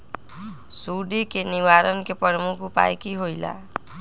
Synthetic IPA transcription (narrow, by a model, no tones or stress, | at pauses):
suɖikeniʋaɾənkepəɾmukʰupa̰jkiɦojla̰